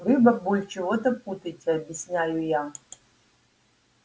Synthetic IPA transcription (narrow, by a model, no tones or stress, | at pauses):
rɨbɐbulʲt͡ʃʰivot̪ɐput̪ɐtʲiɐbʲjɪsʲnʲajuja